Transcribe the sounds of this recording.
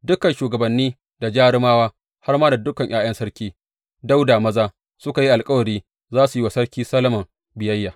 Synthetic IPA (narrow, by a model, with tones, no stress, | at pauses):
dʊ˦kɐ˨nʃuː˨ɡɐ˨bɐ˨nːiː˦ | da˨d͡ʒaː˦ɽɪ˦maː˦waː˦ | ha˦rmaː˦da˨dʊ˦kɐ˨ɲʔj̰ʔaː˦j̰ɐ˦nsɐ˦ɽkʲiː˦ | da˦wda˨mɐ˦zaː˦ | sʊ˦ka˨ji˦ʔa˨lkʼɐ˦wɐ˨ɾiː˦ | zaː˦su˨ji˦wa˨sɐ˦ɽkʲiː˦sɐ˦lɐ˦mɐ˨ŋ | bɪ˨jɐ˦jːaː˨